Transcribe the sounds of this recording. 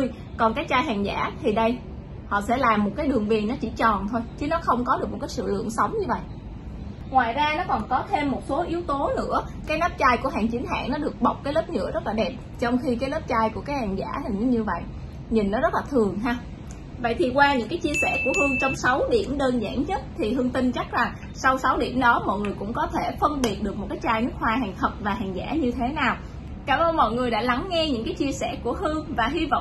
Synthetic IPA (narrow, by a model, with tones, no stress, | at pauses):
j | kɔ˨˩nkaː˨˦˥t͡ɕaː˧jɦaː˨˩ŋza̰ː˧˩t̪ʰi˨˩ɗə˧j | hɔ̰˧˨sɛ̰˧˥laː˨˩mːo˨˩t̚kaː˨˦jɗɨ˨˩əŋvi˧˩ənːɔ˨˦t͡ɕḭ˧˩t͡ɕɔ˨˩nt̪ʰo˧jt͡ɕɨ˨˦nɔ˨˦xə˧wŋ͡mkɔ˨˦ɗɨ˨˩k̚m̚˨˩kːaː˨˦sɨ̰˧˨lɨ̰˧˨əŋsə˨˦wŋ͡mɲɨ˧və̰˧˨jʔ | ŋwaː˨jzaː˧nɔ˨˦kɔ˨˩nkɔ˨˦t̪ʰe˧mːo˨˩t̚so˨˦ʔi˨˦əwt̪o˨˦nɨ̰˧˥ə | kaː˨˦jna˦˥p̚t͡ɕaː˧jku˧˩əɦaː˨˩ŋt͡ɕi˨˦nɦa̰ː˧˨ŋnɔ˨˦ɗɨ˨˩ək̚ɓə˨˩wk͡p̚kaː˨˦jləː˦˥p̚ɲɨ̰˧˥əzə˦˥t̚laː˨˩ɗɛ˨˩p̚t͡ɕɔ˧wŋ͡mxi˧k̬aː˨˦jlə˦˥p̚t͡ɕaː˧jku˧˩əkaː˨˦jhaː˨˩ŋza̰ː˧˩ha˨˩ɨ˨˧˦ɲɨ˧və̰˧˨j | ɲï˨˩nːɔ˨˦zə˦˥t̚laː˨˩t̪ʰɨ˨˩əŋɦaː˧ | və̰˧˨jt̪ʰi˨˩kwaː˧ɲɨ̰˧˥ŋkaː˨˦jt͡ɕi˧əsɛ̰˧˩ku˧˩əhɨ˧əŋt͡ɕɔ˧wŋ͡msa˨˦wɗi˧˩əmɗəː˧nza̰ː˧˥ŋɲə˦˥t̚t̪ʰi˨˩ɦɨ˧əŋt̪ï˧ŋt͡ɕa˦˥k̚za˨˩ŋ | sa˧wsa˨˦wɗḭ˧˩əmɗɔ˨˦mɔ̰˧˨jŋɨ˨˩əjkʊ̰˧˥ŋ͡mkɔ˨˦t̪ʰe˧˩fə˧nɓi˨˩ət̚ɗɨ˨˩ək̚mo˨˩t̚kaː˨˦jt͡ɕaː˧jnɨ˦˥ək̚hwaː˧ɦa̰ː˨˩ŋt̪ʰə˨˩p̚vaː˨˩ɦa̰ː˨˩ŋza̰ː˧˥ɲɨ˧t̪ʰe˨˦naː˨˩w | kaː˧˩mʔəː˧nmɔ̰˧˨jŋɨ˨˩əjɗa̰ː˧˥la˨˦ŋːɛ˧ɲɨ̰˧˥ŋkaː˨˦jt͡ɕi˧əsɛ˧˩ku˧˩əhɨ˧əŋvaː˨˩ɦi˧vɔ̰˧˨wŋ͡m